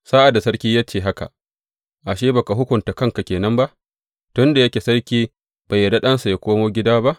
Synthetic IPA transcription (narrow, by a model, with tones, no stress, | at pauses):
saː˦ʔa˨da˨sɐ˦ɽkʲiː˦jaː˦t͡ʃeː˦˨ɦa˦ka̰˨ | ʔa˨ʃeː˦ba˨ka˨ɦʊ˦kʷʊ˨nta˨kɐ˦ŋka˨kʲeː˨nɐ˦mba˦ʔ | tʊ˦nda˨jɐ˦kʲeː˨sɐ˦ɽkʲiː˦ | b̥a˨ja˨da˦ɗɐ˦nsa˨ja˦kʷoː˦moː˦ɡʲɪ˦daː˦ba˦ʔ